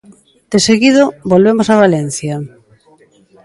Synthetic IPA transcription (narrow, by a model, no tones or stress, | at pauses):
d̪̥eseɣiðobolβemosaβalɛn̟θja